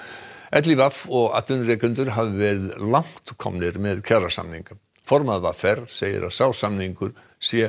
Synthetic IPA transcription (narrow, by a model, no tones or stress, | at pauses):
ɛt̪̬livafɔɣa̰t̪ʏnrɛːkʏnt̪ʏɾ̥ɦavɪvɛɾɪðlawŋ̥t̪kʰɔ̰mnɪɾmɛðcʰarasa̰mniŋka | fɔɾmaðvafɛɾ̥seːjɪ̰ɾʔa̰ðsaːwsamniŋkʏɾ̥ | sjɛ